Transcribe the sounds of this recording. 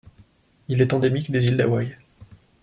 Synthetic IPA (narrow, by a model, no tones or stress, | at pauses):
ilɛt̪ɑ̃d̪emikd̪ezild̪awaj